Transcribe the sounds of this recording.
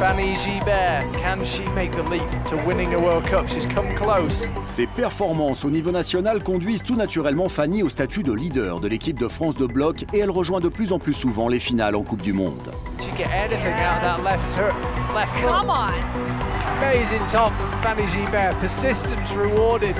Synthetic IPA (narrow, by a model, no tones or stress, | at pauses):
faniʒibɛɹkʰə̃nʃimeɪk̚ðəliˑptʰəwɪ̃nɪ̃ŋəwɜ˞lˠd̚kʰʌpʃiz̥kʰʌ̃mkʰl̥oʊssepɛʁfɔʁmɑ̃sonivonasjɔnalkɔ̃d̪ɥizt̪unat̪yʁɛlmɑ̃faniost̪at̪yd̪əlid̪œʁd̪əlekʲip̚d̪əfχɑ̃sd̪əblɔkeɛlʁəʒwɛ̃d̪əplyzɑ̃plysuvɑ̃lefinalɑ̰̃kup̚d̪ymɔ̰̃d̪̥ | ʃizɡɛɾɛnɪθɪ̃ŋaʊðəʔlɛftə˞lɛftəmaɪ | əmeɪzɪ̃ŋtʰɔpfaniʒibɛɹpʰəsɪstə̃nsɹɪwɔɹdɪd̥̚